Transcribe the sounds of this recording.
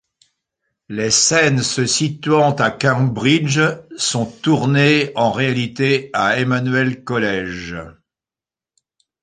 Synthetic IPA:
lesɛnsəsit̪ɥɑ̃t̪akabʁid͡ʒsɔ̃t̪uʁneɑ̃ʁealit̪eaemanɥɛlkɔlɛʒ

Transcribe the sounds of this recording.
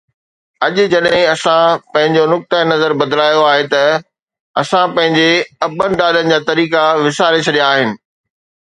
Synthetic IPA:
ɐʄʊ̆d͡ʑɐɗɦɪ̃ɐsãpɐ̃ɦɪ̃ɲd͡ʑonʊk̚t̪ənɐzəɾbɐd̪laːjoaːɦet̪ɐ | ɐsãpɐ̃ɦɪ̃ɲd͡ʑeɐbənɗaːlənɪ̆d͡ʑaːt̪ɐɾiːkaʋɪsaːɾet͡ɕʰɐɗijaːɦɪnɪ̆

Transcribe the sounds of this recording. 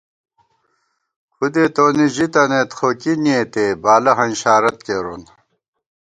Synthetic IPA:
xud̪eːt̪oːniʑit̪ɐnet̪xoːkiniet̪eːbaːlɐɦɐnɕaːɾɐt̪keɾon

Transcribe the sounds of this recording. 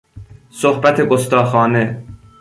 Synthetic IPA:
sohbæt̪ʰeɡost̪ɒːxɒːne

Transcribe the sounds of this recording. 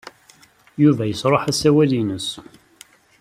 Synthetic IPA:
juvæjəsɾˤoħæsæwælinəs

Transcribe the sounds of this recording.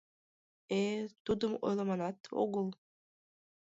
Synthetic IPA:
et̪ud̪ɤ̆mo̰jlˠɑ̆mɑnɑt̪o̰ɣɤlˠ

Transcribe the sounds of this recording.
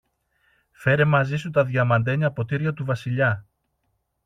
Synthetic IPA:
fe̞ɾe̞mɐzisut̪ɐðʝɐmɐnd̪e̞ɲiɐpo̞t̪iɾʝɐt̪uvɐsiʎɐ

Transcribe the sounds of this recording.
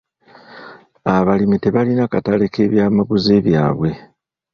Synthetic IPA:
aβalimite̞βalinakatale̞ke̞ːβjaːmaɡuze̞ːβjaːβwe̞

